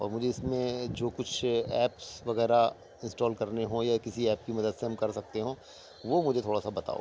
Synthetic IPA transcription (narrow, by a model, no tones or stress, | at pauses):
ɔ̰ːɾmʊd͡ʒʱeɪsmẽd͡ʒoːkʊt͡ʃʰɛːpsʋɐɣɛːɾa | ɪ̃nsʈɔːlkɐɾneɦõjakɪsiɛːp̚kimɐd̪əd̪seɦɐ̃mkɐɾsɐk̚t̪eɦõː | ʋomʊd͡ʒʱet̪ʰoːɽasabɐt̪a̰ːo̰